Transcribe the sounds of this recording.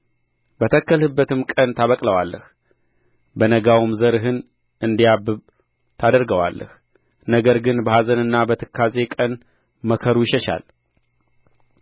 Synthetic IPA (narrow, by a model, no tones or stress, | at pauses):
bət̪ʰəkːəlhɨbːət̪ɨmkʼənt̪ʰaβəkʼləwalːəh | bənəɡawmzəɾɨɦɨn | ɨnd̪ijabːɨβ | t̪ʰad̪əɾɡəwa̰lːʔə̰h | nəɡəɾɡɨnbəhazənɨnːabət̪ʰɨkʰːazekʼən | məkʰəɾujɪʃɛʃa̰l